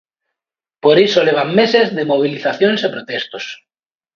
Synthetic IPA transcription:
poɾisoleβ̞ammesezðemoβ̞iliθaθjonsepɾot̪est̪os

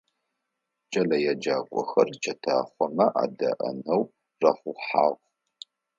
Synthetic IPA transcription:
t͡ʃʼɐlɐjad͡ʒaːkʷʼɔxɐrt͡ʃʰɐtʰa̰ːχʷɔmɐʔa̰ːdɐ̰ʔɐ̰nɐw | rɐχʷʊħa̰ːʁʷ

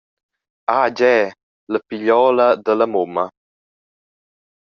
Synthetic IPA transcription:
ad͡ʒɛː | ləpiʎɔːləd̪ələmomə

